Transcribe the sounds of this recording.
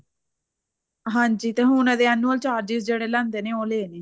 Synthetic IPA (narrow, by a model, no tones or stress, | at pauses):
ɦãːɲd͡ʒiːt̪eːɦũːnãːd̪eːɛːnuəlt͡ʃaːɾd͡ʒiːsd͡ʒeːɽeːlɛ̃ːnd̪eːneːoːleːneː